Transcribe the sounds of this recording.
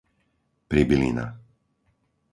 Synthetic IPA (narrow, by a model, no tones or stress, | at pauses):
pɾibilḭna̰